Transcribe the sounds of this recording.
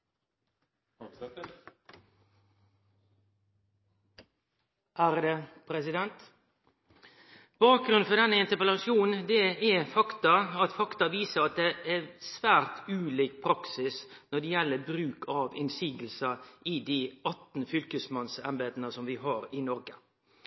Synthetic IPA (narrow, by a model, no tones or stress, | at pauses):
ʔæɾd̪ɛpʰɾɛsɪd̪ɛnt̪ | b̥ɑːk̚ɡɾʉnfɔd̪ɛnːəɪnt̪əpəlɑsjuːnn̩d̪ɛɛfɑkt̪ɑɑt̪fɑkt̪ɑʋiːsəɾɑt̪̚d̪ɛʔɛsʋæːɾt̪ʉːliːk̚pʰɾɑksɪsnɔɖ̪ɛjɛlːəbɾʉːkʰɑʋɪnsiːɡəlsəʔɪd̪iːɑt̪n̩fʏlkəsmɑnsɛ̰nbeːd̪nəsɔmʋɪɦɑːɾɪnɔɾɡə